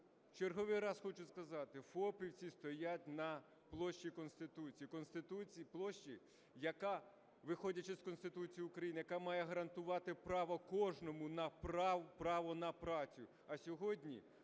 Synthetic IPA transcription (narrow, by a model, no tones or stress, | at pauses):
t͡ʃerɦɔʋɪjɾɑsxɔt͡ʃʊskɐzɑt̪ɪfɔpʲiwt͡sʲist̪ɔjatʲnɐ | plˠɔʃʲt͡ʃikɔnst̪ɪt̪ut͡sʲijikɔnst̪ɪt̪ut͡sʲplˠɔʃt͡ʃi | jɐkɑ | ʋɪxɔdʲɐt͡ʃɛskɔnst̪ɪt̪ut͡sʲijiʊkɾɐjinɪjɐkɑmɑjɛɦɐɾɐnt̪ʊʋɑt̪ɪpɾɑʋɐkɔʒnɔmʊnɐpɾɑpɾɑʋɔnɐpɾɑt͡sʲʊʊ | ɐsʲɔɦɔdʲnʲḭ